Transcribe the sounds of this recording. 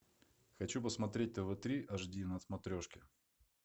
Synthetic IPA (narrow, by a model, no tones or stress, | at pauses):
xɐt͡ɕupəsmɐt̪ɾʲet̚ʲt̪əvɨt̪ɾʲiʔɐʐdʲinɐsmɐt̪ɾʲoʂkʲɪ